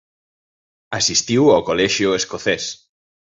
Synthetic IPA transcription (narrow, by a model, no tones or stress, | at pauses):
asist̪iwawkolɛʃjʊeskoθɛs